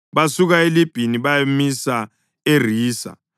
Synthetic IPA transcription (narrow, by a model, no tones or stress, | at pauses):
βasuk̬aelib̥ʱiniβamisa | er̤iːsa̰